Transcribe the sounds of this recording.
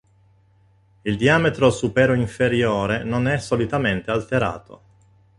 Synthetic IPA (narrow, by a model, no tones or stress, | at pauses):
ild̪iaːmet̪ɾosupɛːɾoiɱfeɾjoːɾenonɛsːolit̪ament̪ealt̪eɾa̰ːt̪o̰